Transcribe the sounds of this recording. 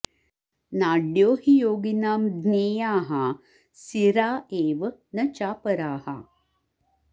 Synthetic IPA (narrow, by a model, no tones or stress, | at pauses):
naːɖjoːhijoːɡinaːmd̪neːjaːɦɐ | siɾaːʔeːʋənɐt͡ʃaːpɐɾaːhɐ̰